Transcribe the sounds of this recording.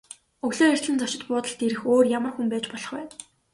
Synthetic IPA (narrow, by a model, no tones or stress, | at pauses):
ɵɣɮoːer̥ʲt̪ɮɘ̆nt͡sɔt͡ɕɪ̆t̪pʊːt̪ə̆ɬt̪eɾɘ̆xoːrjamərxumpæːt͡ɕpɔɮɞ̆χwæːn